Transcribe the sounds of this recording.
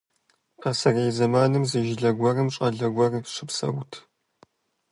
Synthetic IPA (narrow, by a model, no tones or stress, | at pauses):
ɐsɐrejzɐmaːnɨmzɨʒɪɮɐɡʷɐrɨmɕʼɐɮɐɡʷɐrɕɨpsɐ̰wtʰ